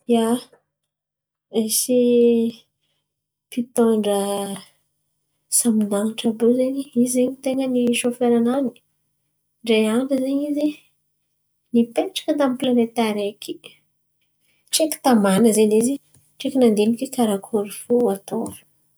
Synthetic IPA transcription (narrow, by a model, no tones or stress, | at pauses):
ja | esi | pit̪oɳɖ͡ʐə | saminanʈ͡ʂabozeɲiizeɲit̪eŋəniʃofeɾanani̥ | ɳɖ͡ʐejaɳɖ͡ʐəzeɲize | nipeʈ͡ʂḁkat̪amiplanet̪aɾeki̥ | ʈ͡ʂeki̥t̪amanəzenizi | ʈ͡ʂekinand̪enikekaɾakʰoɾifoat̪oɾ̥